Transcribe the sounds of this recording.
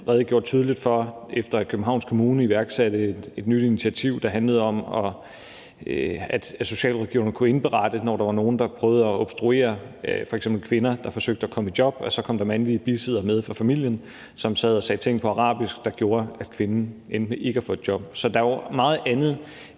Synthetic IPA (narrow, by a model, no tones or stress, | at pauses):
ʁɛːð̩ˠɡ̥jo̝ːɐ̥t͡sʰyːð̞ˠlid̥fɒ̽efd̥ɐkʰøb̥m̩ɦɑ̈ʊ̰nskʰo̝muːnəiʋæɐɡ̥sæd̥ə̥e̝d̥nyd̥init͡sʰiæt͡sʰiʊ̰d̥ɑ̈ɦænləð̞̩ˠɒ̽mɒ̽ | æd̥æso̝ɕɛ̰ːlʁɛɡ̥io̰ŋəkʰue̝nb̥əʁɑ̈d̥ənɒ̰ɾ̥ɑ̈ʋɑ̈no̝ːn̩d̥ɑ̈pʰʁœːʊð̞̩ˠɒɒb̥sd̥ʁue̝̰ːɐfɒ̽eɡ̥semb̥l̩kʰʋe̝nɐd̥ɑ̈fɒ̽søɡ̥̚d̥əækʰɒ̽məidjɒ̽b̥ɒ̽sɒ̽kʰɒ̽m̰d̥ɑ̈mænliəb̥isið̰ˠɐmeð̞ˠfʁɑ̈fæmil̰jən | sɒ̽msɛ̰ð̞̰ˠɒsɛ̰ːt͡sʰeŋ̰ɡ̥pʰɒ̽ɑ̈ʁɑ̰̈ːb̥isɡ̥d̥ɑ̈ɡ̥jo̝ːɐæd̥̚kʰʋe̝nn̩en̥məʔe̝ɡ̥əhɑfɔ̽ð̥ˠd̥jɒ̽b̥̚sɒ̽d̥ɑ̈ɒmɑ̈ːð̞̩ˠænð̩ˠ